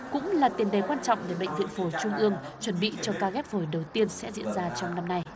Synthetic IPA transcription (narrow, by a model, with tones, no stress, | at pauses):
kʊ̰˧˥ŋ͡mlaː˨˩t̪i˨˩ənɗe˨˩kwaː˧nt͡ɕɔ̰˧˨wŋ͡mɗe˧˩ɓə̰˧˨ŋ̟vḭ˧˨ənfo˨˩˦t͡ɕʊ˧ŋ͡mʔɨ˧əŋt͡ɕwə˨˧˩nɓḭ˧˨t͡ɕɔ˧kaː˧ɣɛ˦˥p̚ho˧˩jɗə˨˩wt̪i˧ənsɛ̰˧˥zḭ˧˥ənzaː˧t͡ɕɔ˧wŋ͡mna˧mna˧j